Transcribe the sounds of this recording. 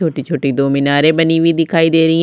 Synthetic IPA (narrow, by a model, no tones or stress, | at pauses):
oːʈiːt͡ʃʰoːʈiːd̪oːmɪnaːɾeːbəniːʋiːd̪ɪkʰaːiːd̪eːɾəiː